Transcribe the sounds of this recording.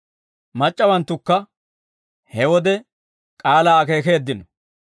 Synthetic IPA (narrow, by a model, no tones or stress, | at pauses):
mɐt͡ʃʼːɐwɐnt̪ːʊkːɐ | hɛwɔd̪ɛ | kʼaːlaːke̞ːke̞ːd̪ːɪnɔ